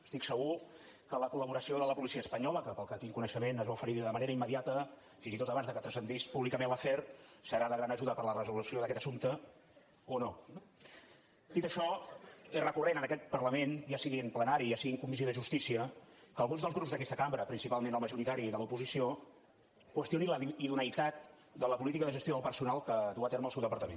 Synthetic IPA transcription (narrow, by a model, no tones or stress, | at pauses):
əst̪iksəɣu | kələkuləβuɾəsioðələpulisiəspəɲɔləkəpəlˠkət̪iŋkunəʃəmenəzβaufəɾiðəməneɾəimːəðiat̪ə | finzit̪ot̪əβanzðəkət̪ɾəsənd̪ispuβlikəmẽnləfɛrsəɾaðəɣɾanəʒuðəpəɾlərəzulusioðəkɛt̪əsumt̪ə | ono | d̪it̪əʃɔezrəkurenənəkɛt̪̚pərləmenjasiɣiəmplənaɾiasiɣiŋkumis̬ioðəʒust̪isiəkəlˠɣunzðəlzɣɾupzðəkɛst̪əkambɾəpɾinsipalˠmenəlˠməʒuɾit̪aɾiðəlupuzisio | kwəst̪ioniləiðunəjt̪at̪̚ | d̪ələpulit̪ikəðəʒəst̪joðəlˠpəɾsunalˠkəd̪uət̪eɾməlˠsɛwðəpəɾt̪əmen